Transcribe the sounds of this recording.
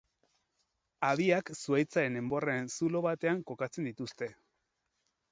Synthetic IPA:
aβiaksuajt͡saɾe̞ne̞mbo̞reensulo̞βat̪e̞aŋko̞kat͡se̞nd̪it̪ust̪e̞

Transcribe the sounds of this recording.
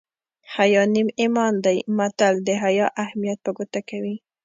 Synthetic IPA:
hajɑnimemɑnd̪ajmat̪ald̪əɦajɑʔahmijat̪̚pəɡot̪akawi

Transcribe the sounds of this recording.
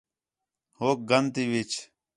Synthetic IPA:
hoːk̚ɡənt̪iːʋit͡ʃ

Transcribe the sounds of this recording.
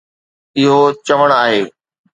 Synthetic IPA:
ɪɦot͡ɕɐʋəɽ̃aːɦeː

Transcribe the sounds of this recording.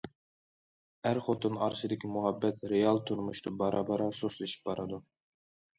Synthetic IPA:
æɾχot̪ʰɨnɑ̰ɾsɨd̪ɪkʲʰimuɦɑbːɛt̪ɾejɑlˠt̪ʰuɾmuʃt̪ʰɨbɑɾɑbɑɾɑsoslˠeʃi̥p̚bɑɾʔɨd̪u

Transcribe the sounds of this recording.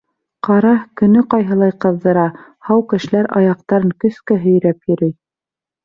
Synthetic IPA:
qɑɾɑkɵ̆nɵqɑjɦɤ̆lˠɑjqɤ̆ðːɤ̆ɾɑhɑwkɘ̆ʃɘ̆læɾʔɑ̰jɑq̚t̪ɑɾɤŋkɵ̆skæɦɵ̆j̆ɾæpjɵ̆ɾɘj

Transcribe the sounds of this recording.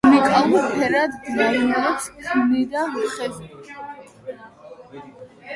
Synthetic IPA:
nikʼalˠuɾpʰɛɾad̪ɡzaniaːkssʰunid̪aɦχɛbi

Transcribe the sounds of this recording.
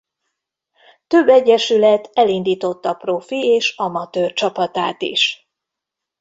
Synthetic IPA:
t̪ø̞bːɛɟːɛʃylɛt̪ɛlind̪iːt̪o̞t̪ːɒprofieːʃɒmɒt̪øːrt͡ʃɒpɒt̪aːt̪ḭʃ

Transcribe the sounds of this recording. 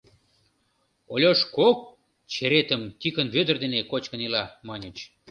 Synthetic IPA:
olʲoʃkok̚ | t͡ɕeɾet̪əmt̪ʲikənβød̪ərd̪enekot͡ɕkənilɑmɑnʲət͡ɕ

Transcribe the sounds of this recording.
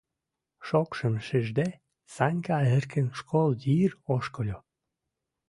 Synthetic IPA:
ʃokʃəmʃeʒd̪e | sɑnʲkɑerkə̆nʃkʰold̪iroʃkolʲo

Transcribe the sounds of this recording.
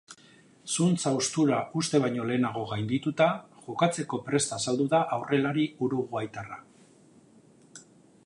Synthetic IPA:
sunt͡sawst̪uɾaʔust̪e̞β̞ajɲo̞le̞ːnaɣ̞o̞ɣajnd̪it̪ut̪aʝokat͡se̞ko̞pɾe̞st̪asald̪uðaʔawre̞laɾiuɾuɣuajt̪ara

